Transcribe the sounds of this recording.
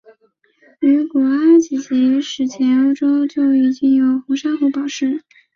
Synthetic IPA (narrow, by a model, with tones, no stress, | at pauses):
y˧˥ku˨˩a˥t͡ɕi˨˩t͡ɕʰi˧˥ʂɻ̩˨˩t͡ɕʰjɛ˧˥no˥ʊʈ͡ʂo˥ʊt͡ɕjo˥˧ʊi˨˩t͡ɕi˥˩njo˧˥ʊxu˧˥ʂa˥xu˧˥˩pɑ˨˩ʊʂɻ̩˥˩